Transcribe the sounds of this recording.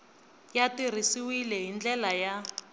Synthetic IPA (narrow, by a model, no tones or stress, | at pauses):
jatir̤isiwilɛɦind͡ɮɛlaja